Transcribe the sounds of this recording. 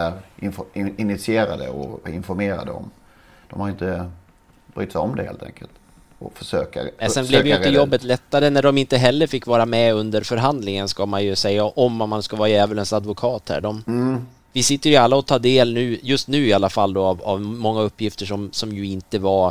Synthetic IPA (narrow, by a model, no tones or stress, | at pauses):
æɾɪnfɪnɪt̪sɪeːɾad̪ə̰ɔ̰ɪnfɔɾmeːɾa̰d̪ə̰ɔ̰m | d̪̥ɔmhaɾjɪnt̪ə | bɾy̰ːt̪sɛjɔmd̪ɛhḛːlt̪ʰɛ̰ŋkʰə̰lt̪ | ɔfœʂøːka̰ɛsɛnblɛvd̪ɛjt̪ːəjɔbːət̪lɛt̪ːaɾənæɖɔmɪnt̪əɦɛlːəɾfɪkːvɑːɾamɛɵnd̪əɾfœɾɦand̪lɪŋənskamanjɵsɛjːaʔɔmːat̪manskavɑːajɛːvəɭənsad̪vʊkʰɑːt̪hæ̰ːɖɔm | vɪsɪt̪ːəɾjɵalːaɔt̪ʰɑːd̪eːlnʉ̟ːjɵst̪nʉ̟ːɪalːafalːd̪oːava̰vmɔŋːaɵpːjɪft̪əʂɔmsɔmjɵɪnt̪əvaɾ